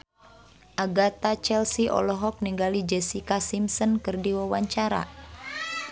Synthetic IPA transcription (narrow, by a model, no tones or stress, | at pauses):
ʔaɡat̪at͡ʃɛlsiʔɔ̰lɔɦɔk̚niŋɡalid͡ʒɛsikasimsɔnkɨrdiwawaɲt͡ʃaɾa̰